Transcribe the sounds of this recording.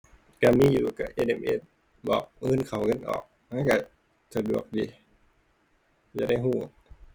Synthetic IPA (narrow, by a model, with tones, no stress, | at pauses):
ka˧˩miː˧˥˨juː˨˩ka˧˩ʔeː˧˨ʔe˧˩mʔḛ˧˥t̪̚ | bɔː˨˩k̚ʔɤː˧˥˨nkʰa˨˩˦wŋɤ˧˥˨nʔɔ̰ː˨˩k̚ | ha˧˥˨ka˧˩ | sʰa˧˩du˨˩ək̚diː˧˦ | ja̰˧˩da˥˩jɦuː˧˩